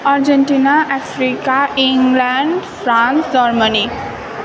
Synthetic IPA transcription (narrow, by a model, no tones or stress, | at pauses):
aɾd͡ʑeɳʈinaʔɛfʰɾikaʔiŋɡlɛɳɖfɾãnsdɔɾməni